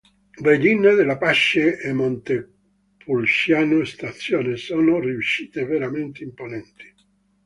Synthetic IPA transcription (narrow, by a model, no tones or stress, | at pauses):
led̪inːed̪elapaʃːeːmːont̪e | pulʃjaːnost̪at̪sːjoːnesoːnoriuʃːiːt̪eveɾament̪eimponɛnt̪i̥